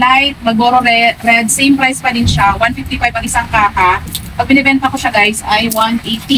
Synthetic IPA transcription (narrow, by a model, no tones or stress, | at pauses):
lajt̪̚mɐɡoɾoɾɛɾɛd̪̚sejmpɾajspɐɾɪnʃawanfift̪ifajbɐŋɪsaŋkaːkapɐɡ̚bɪnɛbɛnt̪ɐkoʃaɡajsajwanʔejt̪i